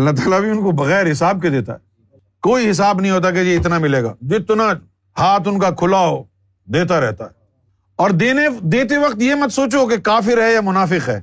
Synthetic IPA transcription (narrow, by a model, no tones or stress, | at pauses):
nat̪̬aːlabʱiʊnkobɐɣɛːɾɦɪsaːb̚ked̪eːt̪a̰ɦɛː | koːiɦɪs̬aːbnɐɦĩɦoːt̪̬ak̬ejeɪt̪namɪleːɡa̰ːd͡ʒɪt̪na | haːt̪ʊnkakʰʊlao | d̪eːt̪aɾɛɦt̪aɦɛː | ɔːɾd̪eːned̪eːt̪̬eʋɐqt̪jemɐt̪soːt͡ʃok̬ekaːfɪɾɦɛjamʊnaːfɪqɦɛː